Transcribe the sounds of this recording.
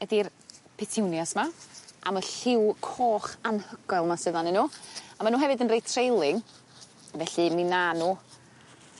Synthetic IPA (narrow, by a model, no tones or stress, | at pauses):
ɛdir | pʰɛtʰɪwnjasmaa̰məɬɪwkʰoːχanhəɡ̥ɔlˠmasəðanɛnːuːamanuːɦɛvɨdənrejtʰrejlˠɪŋ | vɛɬɨminanuː